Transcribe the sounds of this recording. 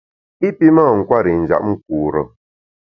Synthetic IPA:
i˦pi˦ma˦˨ŋ̩˨kwa˦˨ɾi˨n̩˨d͡ʒa̰˨ʔ̚ŋ̩˦k̚uː˨ɾə˨

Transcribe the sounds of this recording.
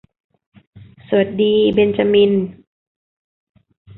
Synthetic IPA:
su˨˩ə˦t̪̚diː˧be˧nt͡ɕa˧mi˧n

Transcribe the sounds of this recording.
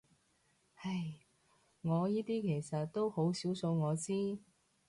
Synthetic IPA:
hɐ˨j | ŋɔː˨˧jiː˥t̪iː˥kʰe˨˩jsɐ˨t̚t̪ːo˥who˨˥wsiː˨˥wso˧wŋɔː˨˧t͡siː˥

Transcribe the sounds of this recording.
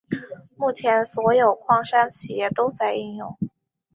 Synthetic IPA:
mu˥˩t͡ɕʰjɛ˧˥nswɔ˧˥jo˨˩ʊkʰwɑ˥˧ŋʂa˥nt͡ɕʰi˨˩jɛ˥˩t̪o˥ʊt͡sa˥˧ɪi˥˧njʊ̰˥˧ŋ

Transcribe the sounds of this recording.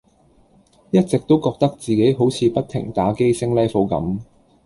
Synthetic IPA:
jɐ˥t̚t͡sɪ˨k̚t̪o˥wkɔː˧k̚t̪ɐ˥k̚t͡siː˨ke˨˥jɦo˨˥wt͡sʰiː˨˧pɐ˥t̚t̪ʰɪ̰˨˩ŋt̪aː˨˥ke˥jsɪ˥ŋlɛ˥jfo˨˧˥wkɐ̰˨˥m

